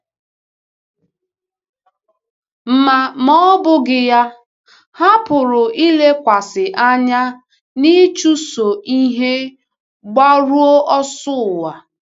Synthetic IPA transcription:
m̩˦ma˨mɔ˦bʊ˦ɡɪ˦ja˦ | ha˦pʊ˨ɾʊ˨ʔi˦le˦kʷa˨sɪ˨ʔa˦ɲa˦ | ni˦t͡ʃu˦so˨ʔi˦ɦe˦ | ɡ͡ba˦ɾu˦o˦ʔɔ˦sʊ˦˨wa˨

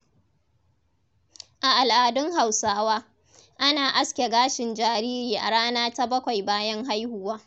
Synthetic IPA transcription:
ʔa˨ʔa˨lʔaː˨dʊ˦ŋha˨wsaː˦waː˦ | ʔa˦naː˨ʔa˦skʲe˨ɡaː˦ʃɪ˨nd͡ʒaː˨ɾiː˦ɾiː˨ʔa̰˨ɽaː˦naː˦ta˦bɐ˦kʷa˨jbaː˦jɐ˦ŋɦa˦jhʊ˦waː˦

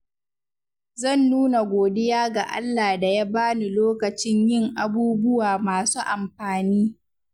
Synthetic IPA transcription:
zɐ˦˨nːuː˦na˨ɡʷoː˨dɪ˦jaː˦ɡa˨ʔa̰˦lːa˨da˨ja˦baː˦ni˨loː˦kɐ˨t͡ʃɪ˦ɲjɪ˦˨ŋʔa˨buː˦bʊ˦waː˨maː˨suː˦ʔa˨mɸaː˨niː˦

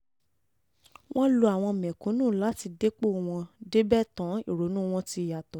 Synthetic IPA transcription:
w̃ɔ̃˦lo˧a˨w̃ɔ̃˧mɛ̃˨kũ˨˦nũː˦˨la˨˦ti˧de˦k͡po˦˨w̃ɔ̃˧de˦bɛ˦tã˨˦i˦˨ɾo˨˦nũː˦˧w̃ɔ̃˦ti˧˨ja˨tɔ˨

